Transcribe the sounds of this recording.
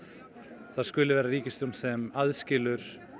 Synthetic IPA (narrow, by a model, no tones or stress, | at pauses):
θaðskʏːlɪvɛːɾaɾiːcɪst̪ʏmsɛmaðscɪːlʏɾ̥